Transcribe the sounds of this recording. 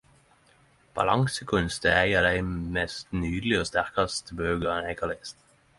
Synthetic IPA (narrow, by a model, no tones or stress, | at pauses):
b̥ɑ̰lɑŋsəkʰʉnst̪ə̰æɪɑːd̪æɪmɛst̪nyːd̪lɪoːst̪æʁkɑst̪əbøːɡəʁɛnæɪkʰɑlɪst̪